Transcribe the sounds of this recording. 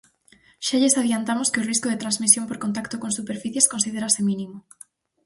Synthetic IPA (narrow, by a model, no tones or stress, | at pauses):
ʃaʎesað̞jant̪amoskɪʊriskoðet̪ɾanzmisjompoɾkont̪akt̪okoŋsupeɾfiθjeskõnsiðeɾasemĩnĩmo